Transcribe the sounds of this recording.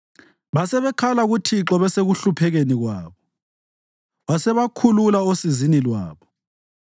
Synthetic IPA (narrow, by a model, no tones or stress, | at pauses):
βasɛβɛkʰalaɣutʰiǁɔβɛseɣuɬupʰɛɣeniɣwaːβɔ | βasɛβakʰululaosizinilwa̰ːβɔ